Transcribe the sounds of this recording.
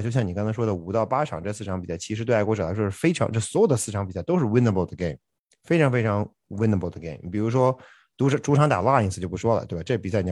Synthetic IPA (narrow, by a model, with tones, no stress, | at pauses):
t͡ɕjo˥˧ɕjɑ˥˩ŋni˨˩kɑ˥ŋt͡sʰɑ˥ʂwɔ˥ə˩u˨˩t̪ɑ˥˩ʊpa˥ʈ͡ʂʰɑ˨˩ŋʈ͡ʂɤ˥˧sɹ̩˥˩ʈ͡ʂʰɑ˧˥ŋpi˨˩sa˥˩ɪt͡ɕʰi˧˥ʂɻ̩˧˥t̪wɪkwɔ˥ʈ͡ʂɤ˨˩la˧˥ɪʂwʂɻ̩˥˧˩fe˥ɪʈ͡ʂʰɑ˧˥ŋʈ͡ʂɤ˥˩swɔ˧˥jo˨ʊd̪ə˦sɹ̩˥˩ʈ͡ʂʰɑ˧˥ŋpi˨˩sa˥˧ɪt̪o˥ʂɻ̩˥˩wɪ˥nə˧˩bə˥˩ʊd̪ə˩ɡe˥˩ɪmm | fe˥ɪʈ͡ʂʰɑ˧˥ŋfe˥ɪʈ͡ʂʰɑ˧˥ŋ | wɪ˥nə˧˩bə˥˩d̪ə˩ɡe˥˩ɪmpi˨˩ɻu˧˥ʂ̬wɔ˥ | t̪u˧˥˧ʈ͡ʂu˧˥ʈ͡ʂʰɑ˧˥ŋt̪a̰˨˩la˥˩i˥ŋs̩ʰ˧t͡ɕo˥˧ʊpu˥˩ʂwɔ˥lə̰˨˩t̪e˥˩ba˧˩˧ʈ͡ʂɤ˥˩pi˨˩sa˥˩ni˩˥